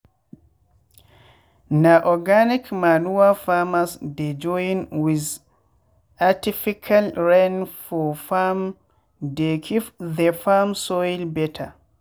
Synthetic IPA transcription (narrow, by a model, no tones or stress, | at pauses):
naʔɔɡanikmanuwafamasdɛd͡ʒɔjinwiz | ʔatifikʰalɹɛnfɔfam | dɛkʰifðɛfamsɔilbɛtʰa̰